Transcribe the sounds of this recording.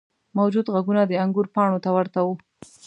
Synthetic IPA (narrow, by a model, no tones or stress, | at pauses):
mawd͡ʒud̪ɣaɡunad̪əaŋɡuɾpɑɳot̪awəɾt̪awu